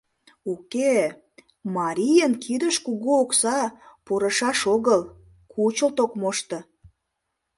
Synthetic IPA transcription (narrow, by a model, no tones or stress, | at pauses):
uke | mɑɾʲijənkʰid̪əʃkuɣuːksɑpuɾəʃɑʃoɣəl | kut͡ɕəlt̪okmoʃt̪ə̆